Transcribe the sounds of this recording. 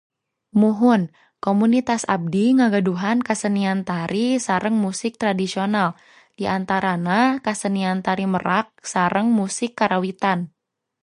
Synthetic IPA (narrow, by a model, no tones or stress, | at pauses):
muɦʊn | komunit̪asab̚diŋaɡaduɦankasəniant̪aɾʔisaɾəŋmusɪk̚t̪ɾadisional | d̥iʔant̪aɾanakasəniant̪aɾiməɾak̚saɾəŋmusɪkːaɾawit̪an